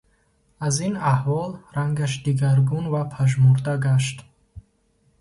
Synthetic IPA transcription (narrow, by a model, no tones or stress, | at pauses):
azinahvɔlɾaŋɡaʃ̬d̪iɡaɾɡunvapʰaʒmuɾd̪aɡaʃ̬t̪